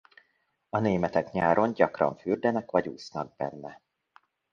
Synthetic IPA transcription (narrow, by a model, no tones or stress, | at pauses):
ɒneːmɛt̪ɛkɲaːɾo̞ɲɟɒkrɒ̰ɱfyːrd̪ɛnɛkʋɒɟuːsnɒɡ̚bɛ̰nːɛ